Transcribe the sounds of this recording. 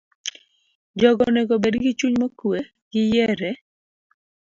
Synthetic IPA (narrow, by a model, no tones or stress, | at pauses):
d͡ʒɔɡɔnɛɡobedɡɪt͡ʃuɲmɔkwe | ɡɪjɛɾɛ